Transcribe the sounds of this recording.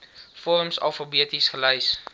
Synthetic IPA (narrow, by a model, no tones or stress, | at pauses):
fɔrmsɐ̰lˠfəbiətisχəlɛjs